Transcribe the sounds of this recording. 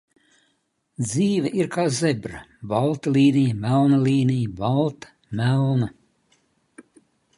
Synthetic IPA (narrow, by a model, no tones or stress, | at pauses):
d̪ziːvʲɛʔiɾkaːzebɾɐbalˠt̪alʲˠiːnijmælˠnɐliːnijbalˠt̪ɐ̥ | mælˠnɐ